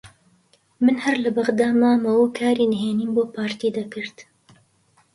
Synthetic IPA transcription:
mɨnhɐɾlɐbɐɣd̪aːmaːmɐwukʰaːɾiːnɦeːniːmboːpʰaːɾt̪iːd̪ɐkɨɾt̪

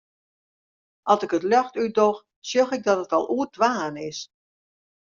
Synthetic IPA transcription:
ʔɑlˠsɪkətlœxtydox | sjoxɪk̚dɔtətɔlˠʔuərdʋaːnɪs

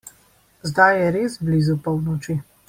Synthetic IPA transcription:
zd̪ajjɛɾezblizupɔwnɔt͡ʃi

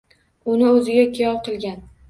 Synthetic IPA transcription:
ʊnɪɵzɪɡʲakʲʰijɒlˠqʰɨlˠɡʲan

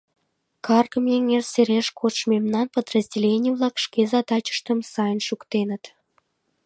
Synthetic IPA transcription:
kʰɑrɡə̆mjeŋerseɾeʃkʰot͡ʃmemnɑnpəd̪rəzʲdʲelʲenʲijəvlˠɑkʃkezɑt̪ɑt͡ɕə̥ʃt̪əmsɑjənʃukt̪enət̪

